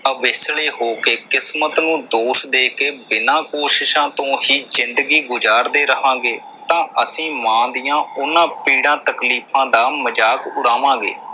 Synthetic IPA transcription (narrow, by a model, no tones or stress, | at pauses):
əʋɪsɭeːɦoːkeːkɪsmət̪nũːd̪oːsd̪eːkeːbɪnãːkoːʃɪʃãːt̪õːɦiːzɪnd̪əɡiːɡʊd͡ʒaːɾd̪eːɾəɦãːɡeː | t̪ãːəsĩːmãːd̪ɪjãːʊnãːpiːɽãːt̪əkliːpʰãːd̪aːməd͡ʒaːkʊɽaːʋãːɡḛː